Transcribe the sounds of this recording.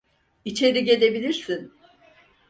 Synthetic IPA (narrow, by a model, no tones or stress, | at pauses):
it͡ʃʰe̞ɾiɟe̞lʲe̞bilʲiɾsin